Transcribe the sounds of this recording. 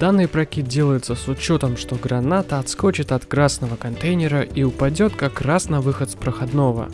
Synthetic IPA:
d̪̥anːɨjpɾɐkʲit̪̚dʲe̞lˠəjɪt̪səsʊt͡ɕːo̞t̪əmʂt̪o̞ɡɾɐnat̪əɐt̪sko̞t͡ɕɪt̪ɐt̪kɾasnəvəkɐnt̪ejnʲɪɾəʔiʊpɐdʲo̞t̪kakrasnɐvɨxət̪spɾəxɐd̪no̞və̰

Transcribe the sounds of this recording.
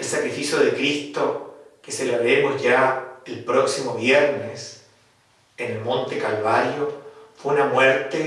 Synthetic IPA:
elsakɾifisjoðekɾist̪okeselaβemozʝaelpɾoksimoβjeɾnes | enelmõ̞nt̪ekalβaɾjofweunamweɾt̪e

